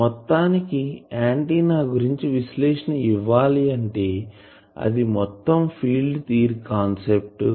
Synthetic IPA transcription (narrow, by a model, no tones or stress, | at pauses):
mɔt̪ːaːnikiaːɳʈiːnaːɡuɾiɲt͡ʃiʋislɛːʂɐnɐiʋːaːliɐɳʈe̞ː | ɐ̰d̪imɔt̪ːɐmpʰiːlɖt̪iːɾkaːnsep̚ʈ